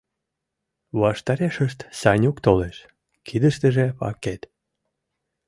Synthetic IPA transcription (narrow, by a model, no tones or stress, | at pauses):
βɑʃt̪ɑɾeʃəʃt̪sɑnʲukt̪oleʃ | kʰid̪əʃt̪əʒepɑ̰ket̪